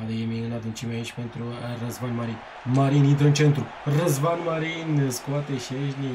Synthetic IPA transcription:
ad̪ejemiɨnad̪ɨnt͡ʃimeait͡ʃʲpent̪ɾurəzvanmaɾin | maɾinint̪ɾəɨnt͡ʃent̪ɾu | rəzvanmaɾinskoat̪eʃeʒnʲi

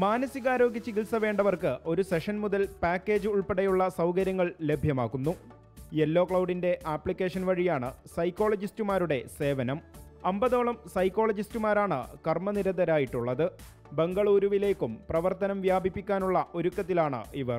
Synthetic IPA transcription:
maːnɐsiɣaːɾo̞ːɡit͡ɕːikilsɐʋe̞ːɳɖɐʋɐrkɨʔo̞ɾuseʂɐnmuðɐlpaːkːe̞ːd͡ʑɨuɭpeɽɐjuɭːɐsɐwkɐɾjɐŋːɐɭle̞bʱjɐmaːkːunːu | elːo̞ːkɭɐwɖinde̞ʔaːpːɭikʲːe̞ːʂɐnʋɐɻijaːɳɨsɐjkːo̞ːɭɐd͡ʑistumaːɾuɽe̞se̞ːʋɐnɐmɐmbɐðo̞ːɭɐmsɐjkːo̞ːɭɐd͡ʑistumaːɾaːɳɨ̰kɐrmɐniɾɐd̪ɐɾaːjiʈːuɭːɐðɨ | be̞ŋɡɐɭuːɾuʋile̞ːkːumprɐʋɐrt̪ːɐnɐmʋjaːbipːikʲːaːnuɭːɐʔo̞ɾukːɐt̪ːilaːɳɨ̰iʋɐr

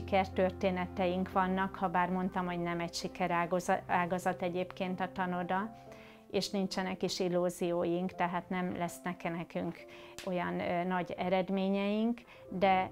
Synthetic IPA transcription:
ikɛrt̪ø̞rt̪eːnɛt̪ɛjiŋkʋɒnːɒkhɒbaːrmo̞nt̪ɒmho̞ɟnɛmɛcʃikɛɾaːɡɒzɒt̪ɛɟeːpkeːnt̪ɒt̪ɒno̞d̪ɒ | eːʃnint͡ʃɛnɛkiʃilːuːzijoːjiŋkt̪ɛɦaːt̪nɛmlɛsnɛkɛnɛkyŋk | o̞jɒnːɒɟɛɾɛd̪meːɲɛjiŋk | d̪ɛ

